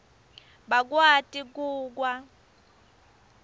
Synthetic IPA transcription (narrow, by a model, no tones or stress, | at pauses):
ɓak̬ʼwatʼik̬uːk̬wa